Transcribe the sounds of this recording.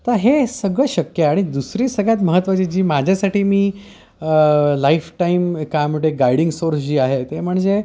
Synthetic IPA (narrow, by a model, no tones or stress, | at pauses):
t̪əɾɦesəɡɭəɕəkjəaɽ̃id̪usɾiːsəɡɭjat̪məɦət̪ːʋat͡ɕiːd͡ʑiːmad͡ʑʱjasaʈiːmiː | əlaifʈaimkajməɽeɡaiɽiŋɡsoɾsd͡ʑiːaɦet̪em̤əɳd͡ze